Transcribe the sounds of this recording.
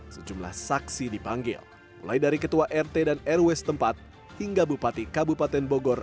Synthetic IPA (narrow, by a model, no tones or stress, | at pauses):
səd͡ʒumla̰hsaksidibaŋɡɪ̰l | mulajdaɾikət̪uaʔɛrt̪ɛdanɛrwɛst̪əmpat̪̚ | hiŋɡabupat̪ikabupat̪ɛnboɡɔr